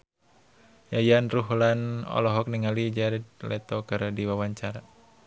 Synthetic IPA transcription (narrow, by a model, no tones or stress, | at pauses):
jajanruɦlanɔ̰lɔɦɔk̚niŋalid͡ʒaɾɛd̪̚lɛt̪ɔkɨrdiwawaɲt͡ʃaɾa